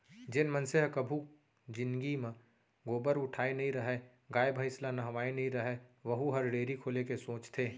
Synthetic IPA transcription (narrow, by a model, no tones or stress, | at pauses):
d͡ʒɪnmənseɦkəbʱu | d͡ʒɪnɡimẽ | ɡoːbəɾʊʈʰaːenɐɦĩɾɐɦe | ɡaːjbʱəɪslanɐɦʋaːenɐɦĩɾɐɦeʋəɦuɦɐɾɖeːɾikʰoːlekesõːt͡ʃt̪ʰeː